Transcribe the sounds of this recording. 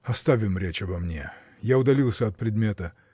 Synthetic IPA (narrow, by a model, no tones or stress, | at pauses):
ɐst̪avʲɪmɾʲet͡ʃɐbɐmnʲḛ | jaʊd̪ɐlʲilˠsʲəɐt̪̚pɾʲɪd̪mʲet̪ə